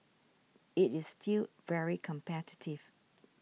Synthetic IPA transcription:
ɪtɪsstʰil | vɛɹikʰə̃mpʰɛtɪ̥tʰɪv̥

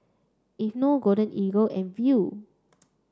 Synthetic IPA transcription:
ifnoɡoɾə̃nʔiɡoʔɛ̃nvju

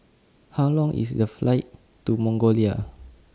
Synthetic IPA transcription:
hawlɔ̃ŋʔḭsdəflaɪt̚ | tumɔ̃ŋɡolia

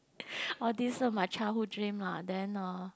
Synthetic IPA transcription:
ɔdisomãt͡ʃʰaʊhudɹĩmladɛ̃na

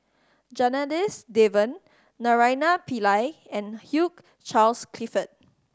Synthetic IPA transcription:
d͡ʒanədisdevə̃nː | aɹajnapilajɛ̃nhjuk̚ | t͡ʃalskʰlifət̚

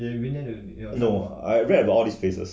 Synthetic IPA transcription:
i | noa̰ɪɹɛdəbatɔlˠdisfesə̰s

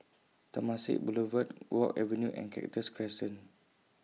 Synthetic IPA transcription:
t̪ɔmasḭʔ̚buləvət̚wʔɔkɛ̰vənjuʔɛ̰̃nkʰɛ̰k̚təskʰɹɛsə̃n

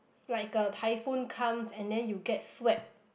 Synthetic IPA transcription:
laɪkətʰaɪfũnkʰãmsɛ̃ndɛ̃njuɡɛt̚swɛp̚

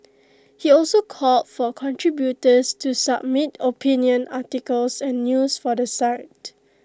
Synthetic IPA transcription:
hiɔlsokʰɔlt̚fɔkʰɔ̃ntʰɹibjutəstusab̚mitopʰĩnjə̃nʔatikəlsɛ̃nːjusfɔdəsaɪt

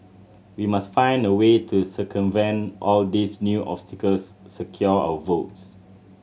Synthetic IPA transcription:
wimastfãɪ̃ndəwetʰusəkʰə̃mvɛ̃nʔɔldisnjuʔɔ̰pstikəlsː | əkʰjɔa̰wəvots

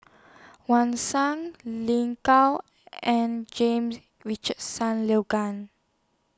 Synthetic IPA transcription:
wãnsãŋlĩŋkal | ɛ̃nd͡ʒẽms | ɹit͡ʃəd̚sãnleɡãn

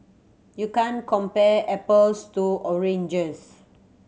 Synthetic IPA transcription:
jukãnkɔ̃mpɛɛpəlstuɔɹẽnd͡ʒəs

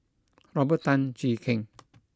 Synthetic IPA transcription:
ɾɔbət̪ant͡ʃiːkʰeŋ

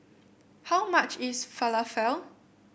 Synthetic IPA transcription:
hawmat͡ʃɪsfaləfɛl

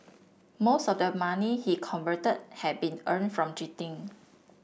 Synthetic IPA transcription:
mosɔfdəmãnihikʰɔ̃nvətəd̚hɛt̚bĩnə̃nfɹɔ̃md͡ʒɹitĩŋ

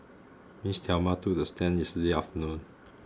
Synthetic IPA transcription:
mistʰamatudəstɛ̃njɛstədeaftənũn

